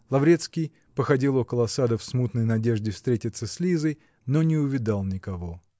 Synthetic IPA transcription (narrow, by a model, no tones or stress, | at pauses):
lˠɐvɾʲe̞t̪skʲɪj | pəxɐdʲilˠo̞kəlˠəɐsad̪əfsmut̪nəjnɐdʲe̞ʐd̪ʲɪfst̪ɾʲetʲɪt̪səsʲlʲizəj | nonʲɪʊvʲɪd̪alˠnʲɪkɐvo̞